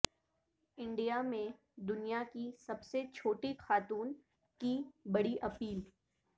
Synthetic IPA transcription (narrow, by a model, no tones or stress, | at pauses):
ɪ̃ɳɖijamẽ | d̪ʊnijakisɐbset͡ʃʰoːʈixaːt̪uːn | kibɐɽiʔɐpiːl